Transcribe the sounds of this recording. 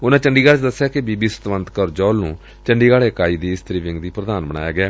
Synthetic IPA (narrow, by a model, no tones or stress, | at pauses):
ʊnãːt͡ʃəɳɖiːɡaːɽeːt͡ʃd̪əsːjaːkebiːbiːsə̥t̪ʋənt̪kəɾd͡ʒɔːlnṵ̃ː | t͡ʃəɳɖiːɡaːɽeːəkaːiːd̪iːɪst̪əɾiːʋɪ̃ŋɡd̪iːpɾəd̪aːnbəna̰ːjaːɡɛː